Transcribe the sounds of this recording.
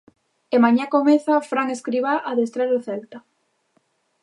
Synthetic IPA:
emaɲakomeθafɾaŋeskɾiβaʔaðest̪ɾaɾoθɛlt̪a

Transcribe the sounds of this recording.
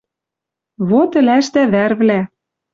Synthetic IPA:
βot̪ɘ̆læʃt̪æβærβlæ

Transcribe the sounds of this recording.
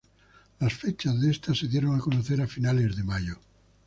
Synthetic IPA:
lasfet͡ʃazðest̪asːeðjeɾoŋakonoθeɾafinalezðemaʎo

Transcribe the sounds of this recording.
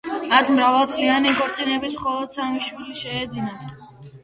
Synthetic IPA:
mat̪ʰmɾavalˠt̪sʼlianiɡʼɔɾt̪sʼinɛbismχɔlˠɔd̪̥samiʃwiliʃɛːd̪zinat̪ʰ

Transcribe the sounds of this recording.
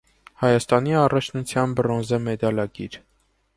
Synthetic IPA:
hɑjɑst̪ɑniɑrɑt͡ʃʰnut͡sʰjɑnbɾɔnzəmɛd̪ɑlɑɡiɾ

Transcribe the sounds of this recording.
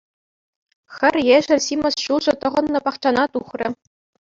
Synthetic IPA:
xʲɘ̆rʲjeʒɘ̆rʲsimɤ̆sɕuʐɤ̆t̪ɤ̆ʁɤ̆nːɤ̆pɑχt͡ɕɑnɑt̪uχrʲɘ̆

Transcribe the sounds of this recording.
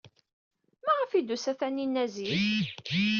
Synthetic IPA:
mæʁəfid̪usæθæninːæziθ

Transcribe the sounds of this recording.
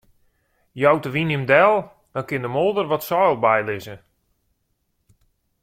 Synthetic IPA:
jɔwtəʋinəmdɛlˠ | d̥ɔnkɪndəmolˠdərʋɔtsɔjlˠbɛjlɪzə

